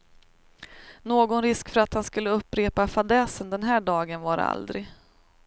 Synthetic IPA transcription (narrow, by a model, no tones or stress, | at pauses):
noːɡɔnɾɪskfœɾat̪hanskɵlːəɵpːɾeːpafad̪ɛːsənd̪ɛnɦæːɖɑːɡənvaɾa̰ld̪ɾɪ̰ɡ